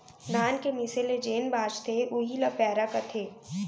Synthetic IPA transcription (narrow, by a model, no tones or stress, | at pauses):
naːnkemɪseled͡ʒeːnbaːd͡ʒt̪ʰeʊɦilɐpɛːɾakɐt̪ʰeː